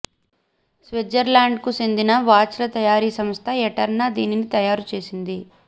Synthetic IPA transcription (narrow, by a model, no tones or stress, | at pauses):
sʋed͡ʒɐɾlaːɳɖ̚kusend̪inɐʋaːt͡ʃɐlɐt̪ɐjaːɾiːsɐmst̪ʰɐɛʈɐɾnɐd̪iːninit̪ɐjaːɾut͡ʃe̞ːsind̪i